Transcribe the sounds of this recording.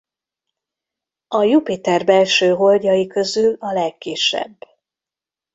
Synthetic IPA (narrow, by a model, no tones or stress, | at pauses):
ɒjupit̪ɛrbɛlʃøːɦo̞lɟɒjikø̞zylɒlɛkːiʃɛ̰bː